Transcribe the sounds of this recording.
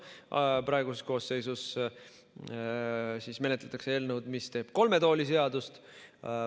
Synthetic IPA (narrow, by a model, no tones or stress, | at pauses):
pɾɑe̞ɡ̥usesko̞ːsːe̞jsus | siːsme̞ne̞t̪let̪ːˑɑkseeːlnəwd̪mist̪e̞ːb̥ko̞lme̞t̪o̞ːlis̬e̞ɑd̪ust̪